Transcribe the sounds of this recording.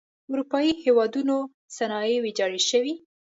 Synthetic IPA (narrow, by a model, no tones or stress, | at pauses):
ʊɾupɑihewɑd̪uno | sanɑewed͡ʒɑɽeʃəwi